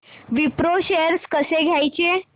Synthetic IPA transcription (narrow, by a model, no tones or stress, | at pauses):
ʋipɾoɕeɾskəseɡʱjajt͡ɕe